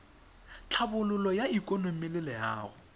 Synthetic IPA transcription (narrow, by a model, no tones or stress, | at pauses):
t͡ɬʰabʊlʊlɔjaikʼonomɪlɪlɛja̰ːɣʊ